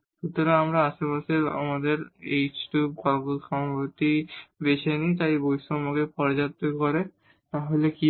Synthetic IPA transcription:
ʃut̪oɾeamɾaaʃepaʃea̰mad̪eɾejt͡ɕʈubkɔlɡolʃɔmapoɾt̪ibeʃʰenit̪ajbojʃomoɡepɔɾd͡ʑat̪ːokoɾe | t̪aɦoleki

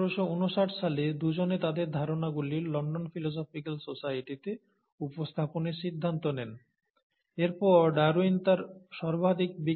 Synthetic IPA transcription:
ɾoʃounoʃaʈʃaled̪ud͡ʑonet̪ad̪eɾd̪ʱaɾonaɡuliɾlɔɳɖonfilos̬ɔfikalsosaʈit̪e | upost̪ʰaponeɾʃid̪ʱːant̪onɛn | eɾpɔɾɖaɾuint̪aɾʃɔɾbʱad̪ʱik̚bi

